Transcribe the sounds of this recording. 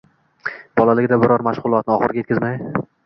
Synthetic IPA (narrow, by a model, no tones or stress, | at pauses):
b̥ɒlˠalɪɡʲɪd̪abɪɾɒɾmaʃʁʊlˠɒt̪̚nɪɒχɨɾɡʲaet̪kʲʰɪzmaj